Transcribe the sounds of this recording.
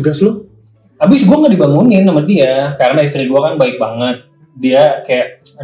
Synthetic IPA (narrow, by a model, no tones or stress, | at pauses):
əɡaslʊ | abɪsɡuaŋɡaʔdibaŋunɪnːamadiakaɾənais̬t̪ɾiɡuakanbaɪk̚baŋət̪̚ | diakajaʔ